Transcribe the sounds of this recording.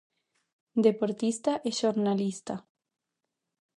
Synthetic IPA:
d̪epoɾt̪ist̪aʔeʃoɾnalist̪a

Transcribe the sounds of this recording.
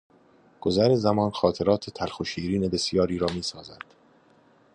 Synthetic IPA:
ɡ̥ozæɾezæmɒːnxɒːt̪ʰe̞ɾɒːt̪ʰet̪ʰælxoʃiːɾiːne̞be̞sjɒːɾiːɾɒːmiːsɒːzæd̪̥

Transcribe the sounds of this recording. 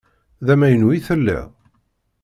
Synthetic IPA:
ðæmæjənwiθəlːḭ

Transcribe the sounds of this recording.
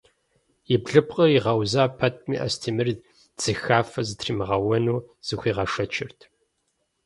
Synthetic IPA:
jɪbɮɨpqʼəriʁɐwzaːpʰɐt̚ʰmḭːʔɐ̰stʰiːmɨr | d͡z̥ɨxaːfɐzɨtʰriːmɨʁɐwɐnuːz̥ɨxʷiːʁɐʂɐt͡ʃʰɪrtʰ

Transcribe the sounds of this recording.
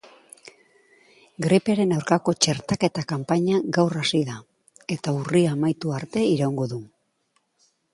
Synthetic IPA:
ɡɾipeɾe̞nawɾkako̞t͡ʃe̞ɾt̪ake̞t̪akampaɲaɡawrasiða | e̞t̪auriamajt̪uaɾt̪e̞iɾawŋɡo̞ðu

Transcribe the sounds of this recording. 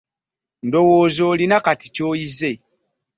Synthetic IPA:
n̩dowoːzolinakati̥toize

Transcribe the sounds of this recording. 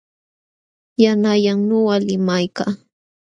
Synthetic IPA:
janajaŋɲowalɪmajkaː

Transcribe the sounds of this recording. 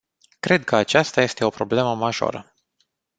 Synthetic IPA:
kɾe̞d̪̚kʰəat͡ʃast̪aje̞st̪e̞o̞pɾo̞ble̞məmaʒo̞̰ɾə̰

